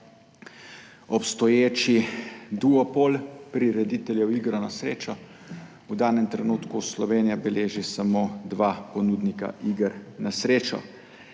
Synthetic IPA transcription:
ɔpst̪ɔjeːt͡ʃid̪uɔpolpɾiɾɛd̪it̪ɛljɛwiːɡɾɔnasɾeːt͡ʃɔ | wd̪aːnɛmt̪ɾɛnuːt̪kuslɔʋeːnijabɛleːʒisamoːd̪ʋaːpɔnuːd̪nika̰ʔiɡəɾnasɾeːt͡ʃɔ̰

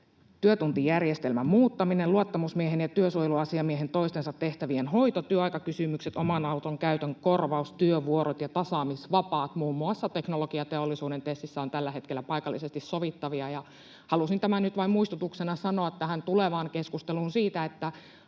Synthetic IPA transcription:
t̪yøt̪unt̪ijærjest̪elmæmmuːt̪ːɑmineluɑt̪ːɑmusmieɦenjɑt̪yøsuojeluɑsiɑmieɦent̪oist̪ensɑt̪ːeht̪æʋienhoit̪ot̪yøɑjkɑkysymykset̪omɑnɑut̪oŋkæyt̪øŋkorʋɑust̪yøʋuoɾot̪jɑt̪ɑsɑːmisʋɑpɑːt̪muːmːuɑsːɑt̪eknoloɡiɑt̪eolːisuːdent̪est̪isːæont̪ælːæhe̞t̪kelːæpɑikɑlːisest̪issoʋit̪ːɑʋiɑjɑ | hɑlusint̪æmænyt̪ʋɑimmuist̪ut̪uksenɑsɑnoɑt̪t̪ːæhænt̪uleʋɑːŋkeskust̪eluːnsiːt̪æet̪ːæ

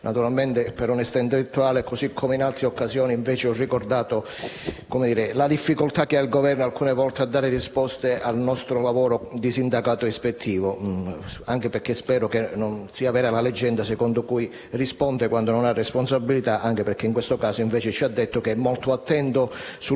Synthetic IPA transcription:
nʔat̪uɾalment̪epeɾonɛst̪aint̪̬elet̪ːuaːlekosikʰːomeinalt̪ɾeokːasjɔːniiɱvɛːt͡ʃeɔrːikord̪aːt̪o | komed̪iːɾelad̪ifːikolt̪ak̟ːeailɡovɛrnoalkuːnevɔlt̪ead̪ːaːɾɪrispɔst̪eʔalnɔst̪ɾolavɔːɾod̪isind̪akaːt̪oespet̪ʰːiːvo | aŋk̟epeɾkːespɛːɾokenːonsiːavɛːɾalaled͡ʒːɛnd̪asɛkɔnd̪okuj | rispɔnt̪ekwand̪ononarːeɛsponsabːilit̪aʔaŋk̟epeɾk̟eiŋkwest̪okaːsoiɱvɛːt͡ʃɪt͡ʃiad̪ːet̪ːokeɛmːɔlt̪oat̪ːɛnt̪osu

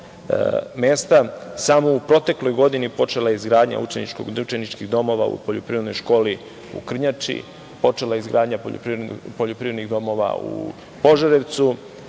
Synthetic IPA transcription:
meːst̪asamoupɾo̞t̪e̞klˠojɡo̞d̪inipo̞t͡ʃe̞lajeizɡɾaːd̪ɲa̰ut͡ʃenḭt͡ʃko̰ɡut͡ʃe̞nit͡ʃkiɣd̪o̞mo̞ʋa̰ṵpoʎopɾiɾed̪no̞jʃko̞ːli | ṵkr̩ɲat͡ʃḭ | po̞t͡ʃe̞lajeizɡɾʔaːd̪ɲapo̰pɾpoʎopɾivɾed̪niɣd̪o̞mo̞ʋa̰ṵ | po̞ʒaɾe̞ʋt̪su

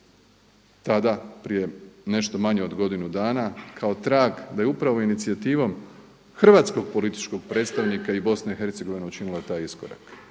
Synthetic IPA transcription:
t̪ad̪apɾije̞ne̞ʃt̪o̞maɲeo̞d̪ɡo̞d̪inud̪aːnakʰao̞t̪ɾaːɡd̪ajeupɾaʋo̞init̪sijat̪iːʋo̞m | xr̩ʋaːt̪sko̞ɡ̚po̞lit̪i̥t͡ʃko̞ɡpɾet̪st̪aʋnikaibo̞snaixe̞ɾt̪se̞ɡo̞ʋineut͡ʃinilˠat̪aːjiskoɾa̰k

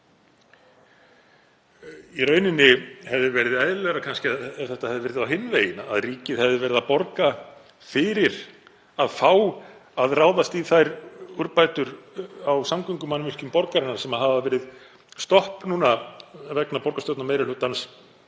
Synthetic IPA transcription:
irœːɥnɪnːɪhɛvðɪvɛɾɪðajðɪlɛɣɾakʰanscɪaθɛht̪ahɛvðɪvɛɾɪðawɦɪnːveːjɪna̰a̰ðriːcɪðhɛvðɪvɛɾɪðapɔɾka | fɪɾɪɾ | aðfaːwaðraːwðast̪iθajɾuɾpajt̪ʏɾawsamkʏŋkʏmanmɪl̥cʏmpɔɾkaɾɪnːaɾ̥sɛmaɦavavɛːɾɪð | st̪ɔhpnuːnavɛknapɔɾkast̪œwt̪nameːjɾɪlʏːt̪ans

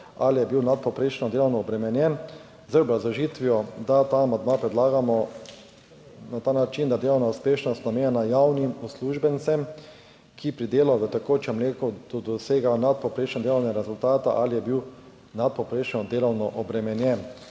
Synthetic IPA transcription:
a̰lijɛbiwnat̪̚pɔpɾeːʃnɔd̪eːlɔwnɔːbɾɛmɛnjɛn | zəbɾazɔʒit̪ʋiɔd̪at̪aːmand̪mapɾɛd̪laːɡamɔ | nat̪aːnat͡ʃind̪ad̪eːlɔwnauspeːʃnɔst̪nameːjɛnajawnimɔsluʒbɛnsɛm | kʰipɾid̪eːlaʋət̪akot͡ʃɛmleːkɔd̪̥ɔd̪ɔseːɡanat̪̚pɔpɾeːʃnɔd̪elɔwnɛɾɛzult̪aːt̪aʔalijɛbiw | nat̪̚pɔpɾeːʃnɔd̪eːlɔwnɔʔɔbɾɛmɛnjɛn

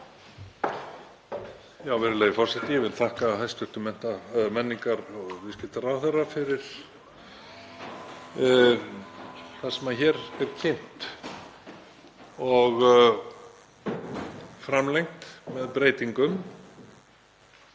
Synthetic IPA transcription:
jaːwvɛːɾʏleːjɪfɔrsɛht̪ɪjɛvɪðlt̪ʰahkaːɦajst̪ʏht̪ʏmɛn̥t̪amɛnːiŋkaɾɔɣvɪscɪn̥t̪arawθɛɾafɪɾɪɾ̥ | θaðsɛmaçɛːɾɛɾ̥cʰejn̥t̪ | ɔɣ | fɾamlejŋt̪mɛðpɾeːjt̪iŋkʏm

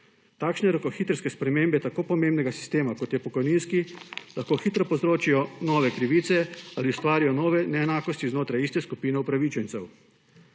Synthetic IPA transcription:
t̪aːkʃnɛɾɔkɔxiːt̪ɾskɛspɾɛmeːmbɛt̪akoːpɔmeːmbnɛɡasi̥st̪eːmakɔt̪jɛpɔkɔjniːnskilaxkoːxiːt̪ɾɔpɔzɾoːt͡ʃijɔnɔːʋɛkɾiʋiːt̪sɛaliust̪ʋaːɾijɔnɔːʋɛnɛɛnaːkɔst̪iznoːt̪ɾajiːst̪ɛskupiːnɛupɾaʋit͡ʃɛnt̪sɛw

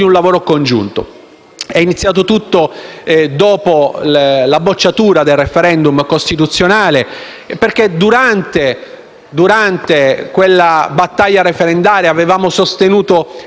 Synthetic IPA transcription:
d̪iunlavoːɾokond͡ʒṵnt̪o̰ | ɛinit̪sjaːt̪̬ot̪ut̪ːod̪ɔːpolabot͡ʃːat̪uːɾad̪elrefeɾɛnd̪umkost̪it̪ut̪sːjonaːle | perked̪uɾant̪e | d̪uɾant̪ekwelːabat̪ːaʎːaɾefeɾend̪aːɾeavevaːmosost̪enuːt̪o

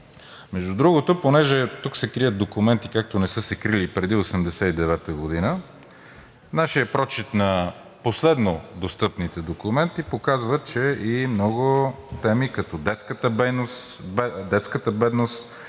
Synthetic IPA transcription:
mɛʒd̪ud̪ɾuɡot̪oponɛʒɛt̪uksɛkɾijət̪̚d̪okumɛnt̪ikak̚t̪onɛsɤsɛkɾilipɾɛd̪iosɛmd̪ɛsɛid̪ɛvɛt̪əɡod̪inə | naʃijəpɾɔt͡ʃit̪nɐ | poslɛd̪nod̪ost̪ɤpnit̪ɛd̪okumɛnt̪ipokazvət͡ʃɛʔimnɔɡʊ | t̪ɛmikɐt̪ɔd̪ɛt̪skət̪əbɛnosbɛd̪ɛt̪skət̪əbɛd̪nost̪

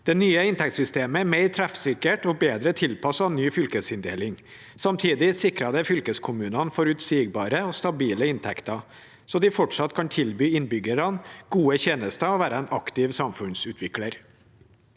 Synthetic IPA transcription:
d̪̥ɛnyːəɪnt̪ʰɛk̚t̪sʏst̪eːməmɛɪt̪ʰɾæfsɪkəʈɔbeːd̪ɾət̪ʰɪlpʰɑsɑnyːfʏlkəsɪnd̪eːlɪŋ | sɑmt̪ʰiːd̪ɪsɪkɾɑd̪əfʏlkəskʰʊmʉːnɑnfɔɾʉt̪siːɡ̚bɑːɾəɔst̪ɑbiːləɪnt̪ʰɛkt̪ɑ | sɔd̪ɪfɔʈʂɑt̪ːkʰɑnt̪ʰɪlbyːɪnbʏɡəɾɑnɡ̥uːəçeːnəst̪ɑɔʋæːɾəɛnɑkt̪ɪʋsɑmfʉnsʉːt̪ʰʋɪkləɾ

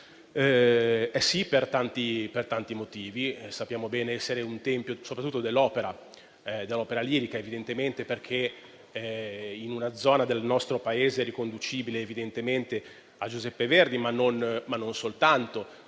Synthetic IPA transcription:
ɛɛsipert̪ant̪ipert̪ant̪imot̪iːvisapːjaːmobɛːneɛsːeɾeunt̪ɛmpjosopɾat̪ːut̪ːod̪elːɔːpeɾa | d̪elːɔːpeɾaliːɾikaevid̪ent̪ement̪eperkʰe | inunad̪zɔːnad̪elnɔst̪ɾopaeːzeɛrɾikond̪ut͡ʃiːbileːvid̪ent̪ement̪e | ad͡ʒuzɛpːeverd̪imanːonmanːonsolt̪ant̪o

